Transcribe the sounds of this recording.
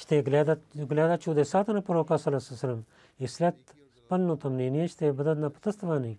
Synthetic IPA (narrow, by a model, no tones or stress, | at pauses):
t͡ʃʰt̪eːɡlaːd̪aɡlʲaːd̪at͡ʃʰuːd̪eːsaːt̪ɐnapɐɾoːkaːsɐlɐsɐsɐlɐm | islɐt̪ | pɐnːõːt̪ʰɐmniːniɐt͡ʃʰt̪eːbɐd̪ɐd̪napɐ̥t̪ɐst̪ʰʋaːniː